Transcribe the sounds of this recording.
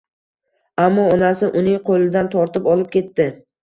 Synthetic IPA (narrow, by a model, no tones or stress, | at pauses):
amːɒɒnasɪʔʊnɪŋqʰolɪd̪ant̪ʰɒɾt̪ɪpɒlɪp̚kʲʰe̞t̪ːɪ